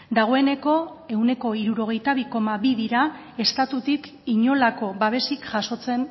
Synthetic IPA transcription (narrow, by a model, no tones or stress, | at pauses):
d̪aɣ̞o̞e̞ne̞ko̞e̞wne̞ko̞iɾuɾo̞ɣ̞e̞jt̪aβ̞iko̞maβiðiɾa | e̞st̪at̪ut̪ik | iɲo̞lako̞βaβ̞e̞sikʝaso̞t͡se̞n